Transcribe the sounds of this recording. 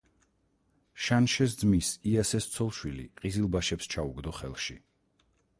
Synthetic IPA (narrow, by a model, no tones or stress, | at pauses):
ʃanʃɛs̬d̪zmisiasɛst̪sʰɔlˠʃwilḭqʼizilˠbaʃɛpst͡ʃʰauɡd̪ɔχɛ̰lˠʃi